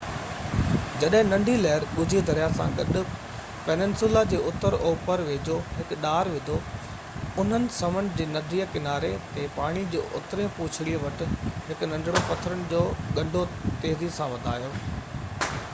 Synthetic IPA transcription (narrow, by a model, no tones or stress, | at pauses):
d͡ʑɐɗɦɪ̃nɐ̃ɳɖʱilɛɦɪɾɓʊd͡ʑʱid̪ʱɐɾijasã̰ɡɐɗʊ̆ | pɛnɪ̃nsuːlad͡ʑeːʊt̪əɾoːpəɾʋeːd͡ʑoːɦɪkɗaːɾʋɪd̪ʱo | ʊn̤ənɪ̆sɐmənd͡ʑeːnɐd̪ʱiːəkɪnaːɾet̪ẽpaːɽ̃id͡ʑeːʔʊ̰t̪ɾẽpuːt͡ɕʰɪɽiʋɐʈɪ̆ɦɪkʊnɐ̃ɳɖʱɪɽopɐt̪ʰəɾənɪ̆d͡ʑoːɠɐ̃ɳɖʱot̪eːɦɾisãʋɐd̪ʱaːjoː